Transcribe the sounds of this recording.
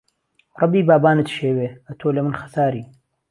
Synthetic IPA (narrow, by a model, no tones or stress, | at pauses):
rˤɑbiːbaːbaːnɨt̪ʃeːweːɐt̪ʰoːlɐmɨnxɐ̥saːɾiː